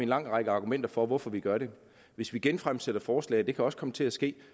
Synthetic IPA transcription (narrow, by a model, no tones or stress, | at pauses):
e̝nlɑ̈ŋ̰ʁɑ̈ɡ̥əɑ̈ːɡ̥umen̰d̥ɐfɒ̽ʋɒfɒ̽ʋiɡ̥ɶɐɾe̝ | ʋe̝sʋiɡ̥enfʁamseɾ̥ɐfɒːslɛ̰ːɪd̥e̝kʰæɒ̽sə̥kʰɒ̽mət͡sʰe̝læsɡ̥e̝̰ː